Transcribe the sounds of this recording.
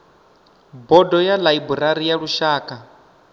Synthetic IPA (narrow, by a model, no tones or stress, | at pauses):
bɔdɔjalaibuɾaɾijaɺuʃaːkʼa